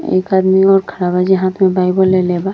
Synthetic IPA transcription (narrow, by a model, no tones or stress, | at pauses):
ḛkad̪miɔːɾkʰəɾabad͡ʒiɦãt̪ʰmẽbaɪjbəleleba